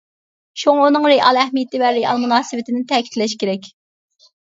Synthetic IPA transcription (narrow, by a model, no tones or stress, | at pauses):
ʃuŋɑunɨŋɾeʔɑlˠæhmijɪt̪ɪvɛɾeʔɑ̰lˠmunɑːsɨvɪt̪ʰɪnɪt̪ʰɛkʲi̥t̪ʰlɛʃkʲeɾɛkʲ